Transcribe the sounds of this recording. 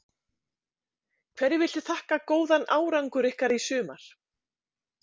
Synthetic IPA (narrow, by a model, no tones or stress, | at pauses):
kʰvɛɾːɪvɪlt̪ɪ̥θahkakoːwðanaːwɾaŋkʏɾɪhkaɾisʏːma̰ɾ̥